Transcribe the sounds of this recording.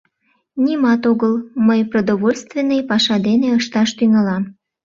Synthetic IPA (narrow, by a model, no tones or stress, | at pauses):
nʲimɑt̪oɣəlməjprod̪oβolʲst̪venːəjpɑʃɑd̪eneəʃt̪ɑʃt̪yŋɑlɑm